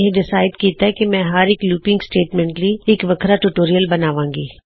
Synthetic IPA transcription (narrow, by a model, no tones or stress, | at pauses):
ɦẽɖɪsaːɪɖ̪kiːt̪aɦɛkimɛ̃ɦaɾeːkluːpɪ̃ŋɡsʈeːʈmɛ̃ɳʈlieːkʋɐkʰɾaʈuʈoːɾijəlbɐnaːʋãːŋɡiː